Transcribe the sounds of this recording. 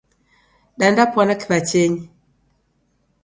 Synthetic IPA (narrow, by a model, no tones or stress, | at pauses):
ɗandapwanakibat͡ʃeɲi